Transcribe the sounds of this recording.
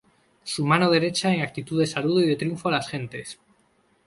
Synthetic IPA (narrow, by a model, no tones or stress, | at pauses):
sumano̞ð̞e̞ɾe̞t͡ʃae̞ŋak̚t̪it̪uðe̞saluðoiðe̞t̪ɾijuɱfoalasxe̞nt̪e̞s